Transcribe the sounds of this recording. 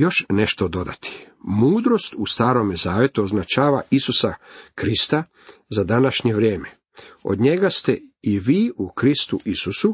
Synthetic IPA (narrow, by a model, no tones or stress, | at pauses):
jo̞ʃne̞ʃt̪o̞d̪o̞d̪a̰t̪ʰi̥ | muːd̪ɾo̞st̪ust̪aːɾo̞mezaːʋe̞t̪uoznat͡ʃaːʋaisusakɾist̪a | zad̪anaʃɲeʋɾjeːme | o̞̰d̪ɲe̞ɡast̪eiʋiːukɾist̪uʔisusu